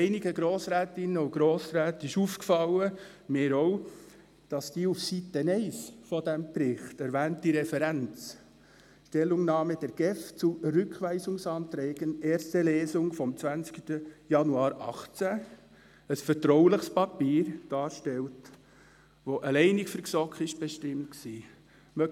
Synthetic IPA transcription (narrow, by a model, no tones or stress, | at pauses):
ɛɪnɪɡəɡɾoːsɾæːtɪnːəuɡ̥ɾoːsɾæːtɪʃuːfkfɑlə | meːɾow | d̥ɑsd̥iːufsitənɛɪsfɔd̥ɛmpɾɪχtæɾʋæːntd̥iɾɛfɛɾænt͡s | ʃtɛlːʊŋnɑːməd̥ɛɾɡ̥ɛft͡surʏkχʋɛɪsʊŋsɑːntɾɛːɡ̥ənɛːɾstəlɛːzʊŋfɔmt͡sʋænt͡sktəjɑnuɑːɾʔɑχt͡sæ | əsfətɾɔʊləχspɑpiːɾd̥ɑːɾʃtɛlt | ʋoʔəlɛɪnɪkfəɾksɔkχɪʃb̥ɛʃtɪmt̚ksiː | mœ